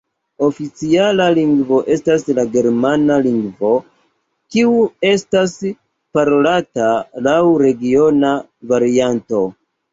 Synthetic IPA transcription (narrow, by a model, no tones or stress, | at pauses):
o̞fit͡sialaliŋɡvo̞ʔe̞staslaɡe̞ɾmanaliŋɡvo̞ | kiue̞stas | paɾo̞latalawɾe̞ɡio̞na | vaɾianto̞